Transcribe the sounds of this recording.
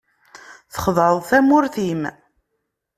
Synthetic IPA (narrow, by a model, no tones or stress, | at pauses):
θə̥χəðˤɾðˤθæmʊɾθim